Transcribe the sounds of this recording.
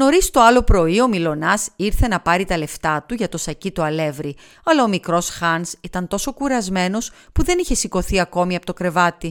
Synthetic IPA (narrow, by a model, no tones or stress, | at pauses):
no̞ɾist̪o̞ɐlo̞pɾo̞io̞milo̞nɐsiɾθe̞nɐpɐɾit̪ɐle̞ft̪ɐt̪uʝɐt̪o̞sɐcit̪oɐle̞vɾi | ɐlɐomikɾo̞sxɐnsit̪ɐnt̪o̞so̞kuɾɐzme̞no̞spuðe̞niçe̞siko̞θiɐko̞miɐpot̪okɾe̞vɐt̪i